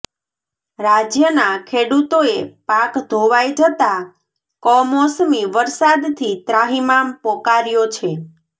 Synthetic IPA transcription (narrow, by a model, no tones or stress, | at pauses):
ɾad͡ʒjənakʰeɽut̪oepakd̪ʱoʋajd͡ʒət̪a | kɔmɔsmiʋəɾsad̪t̪ʰit̪ɾaɦimampɔkaɾjot͡ʃʰe